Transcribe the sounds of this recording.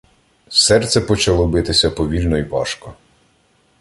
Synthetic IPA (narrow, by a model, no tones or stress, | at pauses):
sɛrt̪sɛpɔt͡ʃɐlˠɔbɪt̪ɪsʲɐpɔʋʲilʲnɔiʋɑ̰ʃkɔ